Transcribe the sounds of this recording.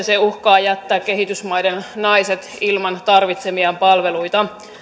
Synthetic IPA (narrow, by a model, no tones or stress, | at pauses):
seuhkɑːjæt̪ːæːkkːe̞ɦit̪ysmɑjdennɑiset̪ilmɑnt̪ɑrʋit̪semiɑmpɑlʋe̞lujt̪ɑ